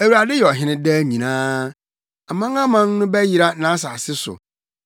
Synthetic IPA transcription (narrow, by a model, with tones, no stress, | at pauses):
æ˨wuɾa˨dɪ˦jɛ˨ɔ˨ɦɪ̃˦nɪ̃˦dɛ˦ɲĩ˨nãː˦ | a˨mã˦ŋã˦mã˦nnʊ̃˦bɛ˦ji˨ɾa˦nã˦s̬a˨sɪ˦sʊ̰˨